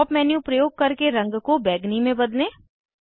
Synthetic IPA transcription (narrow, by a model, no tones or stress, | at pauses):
pmɛːnjũpɾɐjoːɡ̚kɐɾkeɾɐ̃ŋɡkobɛːɡnimẽbɐd̪leː